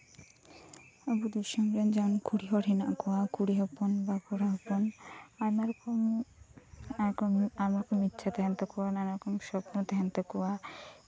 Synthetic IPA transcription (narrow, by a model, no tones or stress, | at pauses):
abud̪uʃɔŋɾend͡ʑankuɽiɦɔɾinaʔkowakuɽiɦɔponbakuɾaɦɔponamaɾkom | aɾkɔmamaɾkɔmitːɕʰat̪ɛɦant̪akowananaɾkɔmʃɔpnot̪ɛɦant̪okuwa